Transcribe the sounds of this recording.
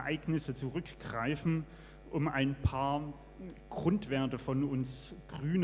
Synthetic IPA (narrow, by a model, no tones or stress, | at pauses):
ʔaɪɡnɪsət͡suʁʏkɡ̥ʁaɪfn̩ | ʔʊma̰ɪnpʰaːɐ | ɡ̥ʁʊntv̥ɛɐtəfɔnʊnsɡ̥ʁyːn